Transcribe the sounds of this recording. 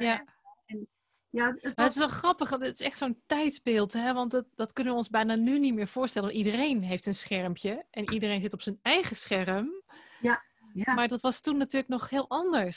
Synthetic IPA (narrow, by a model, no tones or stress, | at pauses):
ja | n | jamətɪsɔlˠxrɑpəxdɪtɪ̥sɛxtsoːntɛjtzbɪːlˠtɦɛʋɑntddɔtkønənʋəɔnzbɛjnanynitmɪːɹv̥ʊːɹstɛlənʋɑntidərejnɦejftənsχɛrmpʰjəʔɛnidərejnzɪtɔpsənɛjɣəsxɛrəm | maɹdɔtʋɑstunːatyːləknɔxhɪːlˠʔɑndəɹs